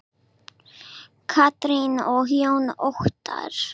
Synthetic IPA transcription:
kʰat̪ɾinɔɦjownoht̪a̰ɾ̥

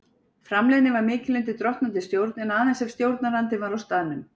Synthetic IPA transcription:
fɾamlɛːðnɪvaɾmɪːcɪlent̪ɪt̪ɾɔht̪nant̪ɪst̪jowɾt̪nɛnaðθɛnsɛmst̪jowɾt̪naɾlant̪ɪvaɾawst̪aːðɪnʏm

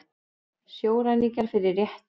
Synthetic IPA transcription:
sjoːwɾanicaɾ̥fɪɾɪrːjɛht̪

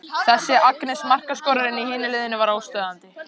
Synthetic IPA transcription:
θɛsːɪʔaknɛsmar̥kaskɔːɾaɾɪnːɪihɪːnɪlɪːðɪnɪvaɾaːwst̪œːðant̪ɪ

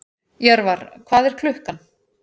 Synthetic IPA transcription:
jɛɾvaɾkʰvaːðɛɾ̥kʰlʏhkan

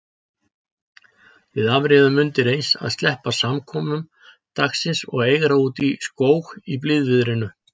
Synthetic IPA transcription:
vɪðavɾɪðʏmːʏnt̪ɪɾejnsa̰ðst̪lɛhpasamkʰɔːmʏm | t̪aksɪnsɔ̰ɣeːjɣɾauːt̪iskoːwxiplɪðvɪðɾɪnʏ

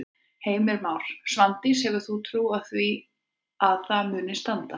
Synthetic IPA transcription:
heːjmɪɾmaːwɾ̥svant̪ishɛɣʏɾ̥θut̪ʰɾuːaðθvi | aðθamʏːnɪst̪ant̪a

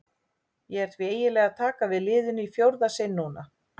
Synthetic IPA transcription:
jɛɣɛɾ̥t̪ʰvieːjɪlɛːɣat̪ʰaːkavɪðlɪːðʏnʏifjowɾðasɪnːuːna

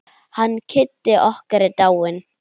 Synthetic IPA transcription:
hankʰɪt̪ːɪʔɔhkaɾɪt̪awɪn

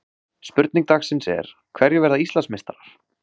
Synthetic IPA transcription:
spʏɾt̪niŋk̚t̪axsɪnsɛ̰ɾ̥ | kʰvɛɾjʏvɛɾðaist̪lansmest̪aɾaɾ̥

